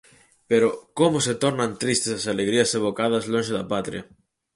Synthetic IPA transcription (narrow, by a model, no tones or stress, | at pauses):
peɾokomʊset̪oɾnãnt̪ɾist̪esasaleɣɾiɐseβ̞okaðɐzlõnʃeðɐpat̪ɾḭɐ